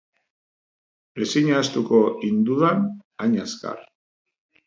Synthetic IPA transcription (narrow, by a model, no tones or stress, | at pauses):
esiɲaːst̪ukoind̪uðanaɲaska̰r